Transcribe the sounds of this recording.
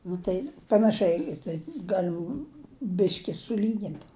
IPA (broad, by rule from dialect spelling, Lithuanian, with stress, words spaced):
nʊ ˈtɐɪ pɐnɐˈʃʲɛɪ tɐɪ ˈɡɑːlʲɪm ˈbʲɪʃʲkʲɪ sʊˈlʲiːɡʲɪnt